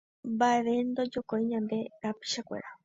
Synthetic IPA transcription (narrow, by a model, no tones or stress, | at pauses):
mbaeʋe̞nd̪od͡ʒokoiɲãnd̪e̞ɾapi̥ʃakʷḛɾa